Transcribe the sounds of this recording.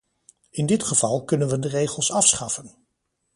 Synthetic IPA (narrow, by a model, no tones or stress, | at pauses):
ɪndɪtχəv̥ɑlˠkɵnənʋəndərejχəlˠsɑfsχɑfən